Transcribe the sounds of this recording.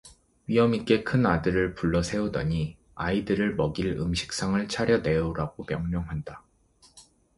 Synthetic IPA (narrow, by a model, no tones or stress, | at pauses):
wɥiɦʌmik͈e̞kʰɯnadɯɾɯɭpuɭːʌsʰe̞udʌɲi | aidɯɾɯɭmʌɡiɭɯmɕʰi̥k̚s͈aŋɯɭt͡ɕʰaɾjʌne̞uɾaɡomjʌŋɲʌŋɦanda